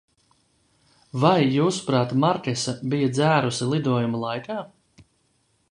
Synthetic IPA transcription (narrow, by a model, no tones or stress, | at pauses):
vajːuːsu̥pɾaːt̪maɾkʲɛsabijad̪zæːɾusilˠid̪uɔjumulˠajkaː